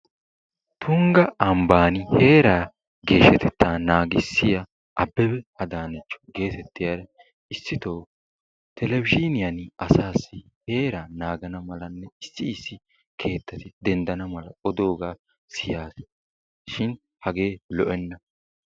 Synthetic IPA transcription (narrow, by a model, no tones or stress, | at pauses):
t̪ʰʊŋɡɐɐmbaːnɪhe̞ːɾaː | ɡe̞ːʃɛt̪ʰɛt̪ːaːnaːɡɪsːɪjɐ | ʔɐbːɛbɛɐd̪aːnɛt͡ʃːɔ̥ɡe̞ːt̪ɛt̪ːɪjaɾɐ | ɪsːɪt̪oː | t̪ʰɛlɛvɪd͡ʒɪnɪjɐnɪɐsaːsːɪ | he̞ːɾaːnaːɡɐnɐmɐlɐnːɛɪsːɪɪsːɪ | kʰe̞ːt̪ːɐt̪ɪd̪ɛnd̪ɐnɐmɐlɐɔd̪o̞ːɡaː | sɪjaːs | ʃɪn | hɐɡe̞ːlɔʔɛnːɐ